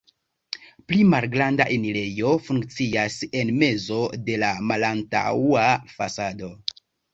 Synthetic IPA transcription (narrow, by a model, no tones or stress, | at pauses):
plimalɡɾandaʔeniɾe̞jo̞fuŋkt͡siase̞nme̞zo̞de̞lamalanta̰wafasado̞